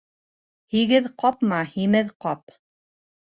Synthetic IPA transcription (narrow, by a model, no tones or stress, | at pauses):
hiɡɘðqɑpmɑhimɘðqɑp